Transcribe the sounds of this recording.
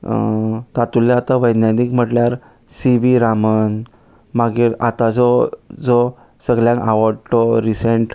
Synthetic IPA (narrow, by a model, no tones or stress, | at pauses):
t̪at̪ulːjaat̪aʋəjd̪njat̪ikm̤əʈljaɾ | siʋiɾamən | maɡiːɾa̰t̪ad͡zɔd͡zɔ | səɡljãŋkaʋɔɖʈɔɾiseɳʈ